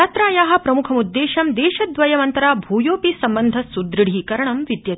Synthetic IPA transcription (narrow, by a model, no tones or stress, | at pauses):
aːt̪ɾaːjaːɦɐ̆pɾɐmukʰɐmud̪ːeːʃɐmd̪eːʃɐd̪ʋɐjɐmɐnt̪ɐɾaːbʱuːjoːpisɐmbɐnd̪ʱɐsud̪ɾiɽ̤iːkɐɾɐɳɐmʋid̪jɐ